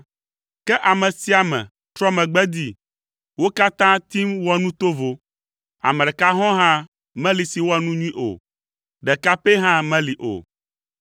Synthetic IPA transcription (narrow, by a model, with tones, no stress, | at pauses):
kɛ˦ʔa˨mɛ̃˨si˨a˨mɛ̰̃˨ | t̪ɾɔ˦mɛ̃˨ɡ͡bɛ˦d̪i˦ | wo˦ka˦t̪ã˦t̪i˦mwɔ˦nũ˦t̪o˦vo˨ | a̰˨mɛ˨ɖɛ˨ka˦ɦɔ̃˦ɦã˦ | mɛ̃˦li˨si˨wo˦a˨nũ˦ɲũ˦ĩ˦ʔo̰˨ | ɖɛ˨ka˦pe˦ɦã˦mɛ̃˦li˨ʔo̰˨